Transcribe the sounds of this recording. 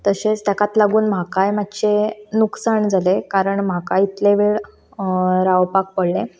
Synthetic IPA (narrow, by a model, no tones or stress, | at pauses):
t̪əset͡st̪ɛkat̪laɡuːnm̤akajmat̪t͡ɕenuksaɳd͡zʱalekaɾəɳm̤akait̪leʋeɭ | ɾaʋpak̚pəɽlẽ